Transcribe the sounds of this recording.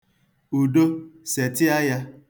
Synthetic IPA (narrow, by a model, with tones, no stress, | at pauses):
u˨do˦se˨tɪ˦a˦ja˦